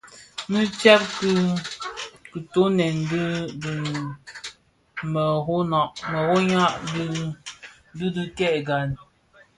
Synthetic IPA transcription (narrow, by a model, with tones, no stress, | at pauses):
mɨ˦t͡ʃɛ˦p̚k | kɨ˨to˨˦nɛ˨ndd | mə˨ɣo˦nɔ˨ʔmə˨ɣo˦ɲa˦ʔd | dɨ˦dɨ˦kɛ˦˨ʔɡa˨n